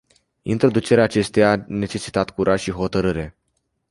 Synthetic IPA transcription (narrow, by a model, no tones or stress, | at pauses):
ḭnt̪ɾo̞d̪ut͡ʃe̞ɾeaːt͡ʃe̞st̪ejane̞t͡ʃe̞si̥t̪at̪kuɾʔaʒʃiɦo̞t̪əɾɨɾe̞